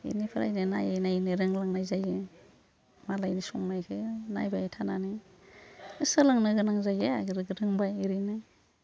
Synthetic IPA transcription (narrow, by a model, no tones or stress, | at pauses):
ḭnipʰɯɾa̰jnɯna̰jajnaniɾɯŋlaŋnajzajɯ | malajnisɔŋnajkʰɯna̰jbajtʰanani | ɯsɯlaŋnɯɡɯnaŋzajeaɡɾɡɾɯŋbajiɾɯjnɯ